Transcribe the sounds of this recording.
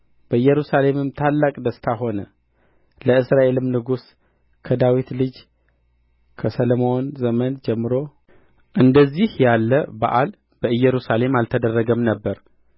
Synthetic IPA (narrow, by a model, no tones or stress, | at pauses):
b̥əɨjɛɾusale̞mɨmt̪ʰalːakʼd̪əst̪ʰaɦo̞nə | ləɨsɾaʔe̞lɨmnɨɡus | kʰəd̪awit̪lɨd͡ʒ | kʰəsəlomo̞nzəmənd͡ʒɛmːɨɾo̞ | ʔɨnd̪əzːihjalːəba̰ʔal | b̥əɨjːɛɾusale̞malt̪ʰəd̪ərːəɡəmnəbːəɾ